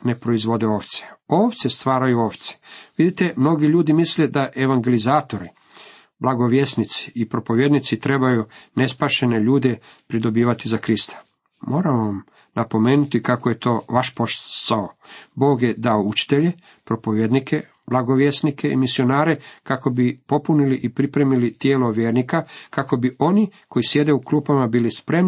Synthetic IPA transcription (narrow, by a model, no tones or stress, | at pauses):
ne̞pɾoizʋo̞d̪eoːʋt̪se̥oːʋt̪sest̪ʋaːɾajuoːʋt̪se̥ʋid̪it̪e̞mno̞ɡiʎuːd̪imisle̞d̪aʔe̞ʋaŋɡe̞lizaːt̪o̞ɾi | blˠaɡo̞ʋjesnit̪si̥ipɾo̞po̞ʋjed̪nit̪sit̪ɾe̞bajune̞spaʃe̞ne̞ʎuːd̪e̞pɾid̪o̞biːʋat̪izakɾist̪ʰḁ | mo̞ːɾaʋam | napo̞me̞ːnut̪ikakoje̞t̪o̞ːʋaʃpo̞ʃsaobo̞ːɡje̞d̪aout͡ʃi̥t̪eʎe̞ | pɾo̞po̞ʋjed̪nikʰe̞ | blˠaɡo̞ʋje̞snikʰeimisio̞naːɾe̞kako̞bipo̞puniliʔipɾipɾe̞milit̪je̞ːlo̞ʋjeːɾnikakako̞biʔo̞niko̞jisje̞d̪e̞ukluːpamabiːlispɾe̞m